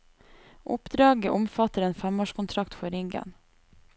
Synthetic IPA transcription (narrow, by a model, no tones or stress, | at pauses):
ʔʊ̰pd̪ɾɑːɡəʔʊmfɑt̪əɾeːnfæmoːʃkʰʊnt̪ʰɾɑkt̪fɔɾɪŋɡə̰n